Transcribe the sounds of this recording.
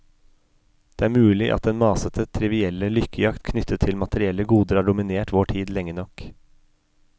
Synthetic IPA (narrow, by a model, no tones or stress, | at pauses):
d̪̥eːæːɾmʉːlɪʔɑ̰t̪d̪ɛnmɑːsət̪ʰət̪ʰɾɪʋɪɛləlʏkʰəjɑkt̪kʰnʏt̪ʰːət̪ʰɪlmɑt̪əɾɪɛləɡuːd̪əɾɑːɖʊmɪneːʈʋoːʈʰiːd̪lɛŋːənɔk